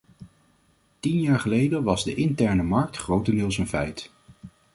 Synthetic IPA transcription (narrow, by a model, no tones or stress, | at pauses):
tinjaːɹχəlejdəʋɑzdəʔɪntɛɹnəmɑɹk̚tχrowtənɪlˠsənvɛjt